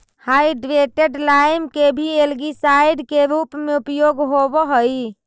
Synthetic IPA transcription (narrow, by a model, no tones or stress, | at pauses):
hajɖʋeʈeɖlajmkebʱielɡisajɖkeɾupmeupjoɡɦobɔɦəj